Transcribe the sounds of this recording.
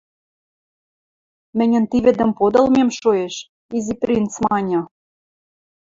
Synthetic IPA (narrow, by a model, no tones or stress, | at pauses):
mɘ̆nʲɘ̆nt̪iβɘ̆d̪ɘ̆mpod̪ɤ̆lmemʃojeʃ | izipɾint̪t͡smɑnʲɤ̆